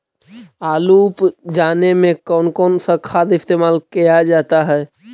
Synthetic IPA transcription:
aːluːpd͡ʒaːnemẽkɔːnkɔːnsəkʰaːd̪ɪst̪eːmaːlkijad͡ʒaːt̪aɦɛː

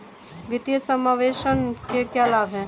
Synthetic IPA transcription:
ʋɪt̪jəsəmaːʋeːʃənkekjalaːbʱɦɛ̃

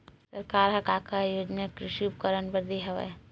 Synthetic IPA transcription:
sɐɾkaːɾɦɐkakajoːd͡ʒnakɾɪʃiup̚kəɾənpəɾd̪eɦɐʋa̰

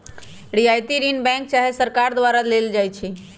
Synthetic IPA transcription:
ɖiajt̪iɾinbɛ̃ŋk̚t͡ʃaɦesəɾkaɾd̪waɾaleld͡ʒajt͡ʃʰi

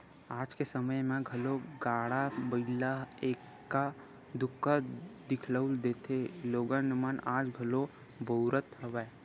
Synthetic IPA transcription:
aːd͡ʒkesəməjmẽɡʱɐloɡaːɽabəilaeːkː | a | d̪ʊkːad̪ɪkʰləʊld̪eːt̪ʰeloːɡənəmanaːd͡ʒɡʱəlo | boːɾət̪ɦəʋə

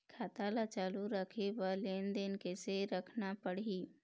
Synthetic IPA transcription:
kʰaːt̪alat͡ʃaːluɾəkʰeʋəleːnd̪enkeseɾəkʰnapəɽ̤i

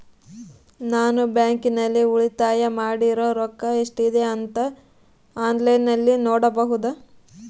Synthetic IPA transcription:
naːnubjaːŋkinɐlːiuɭit̪aːjɐmaːɽiɾoːɾɔkːɐeʂʈid̪e̞ɐnt̪ɐ | aːnlɐjnɐlːinoːɽɐbɐɦud̪ɐ

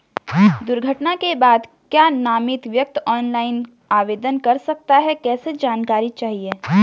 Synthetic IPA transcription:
d̪ʊɾɡʱəʈnakebaːd̪ | kjaːnaːmɪt̪ʋjɐk̚t̪ɔːnlaːɪn | aːʋeːd̪ənkɐɾsɐk̚t̪aɦɛkɛːsed͡ʒaːnkaːɾit͡ʃaːɦie

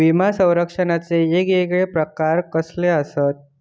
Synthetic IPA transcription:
ʋimasə̃w̃ɾəkʂənat͡seːɡeɡɭepɾəkaɾkəsleəsət̪̚

